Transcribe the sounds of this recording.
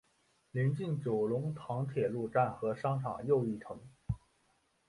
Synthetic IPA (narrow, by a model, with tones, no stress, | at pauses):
liɛ˧˥nt͡ɕi˥˩ŋt͡ɕjo˨˩ʊlʊ˧˥ŋt̪ʰɑ˧˥ŋt̪ʰjɛ˨˩lu˥˧ʈ͡ʂa˥˩nxɤ˧˥ʂɑ˥ŋʈ͡ʂʰɑ̰˨˩ŋjo˥˧ʊi˥˩ʈ͡ʂʰɤ˧˥ŋ